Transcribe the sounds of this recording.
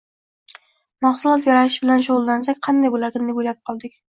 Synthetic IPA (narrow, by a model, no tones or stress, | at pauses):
maχsʊlˠɒt̪jaɾaɪʃbɪlanʃoʁʊlˠd̪ansakʲqʰɑnd̪ajbolaɾɡʲand̪aojlap̚qʰɒlˠd̪ɪkʲ